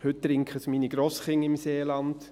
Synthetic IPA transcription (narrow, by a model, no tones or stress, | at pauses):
hʏt̚tːɾɪŋkχəsmiːniɡɾoːsχɪŋəɪmseːlɑnd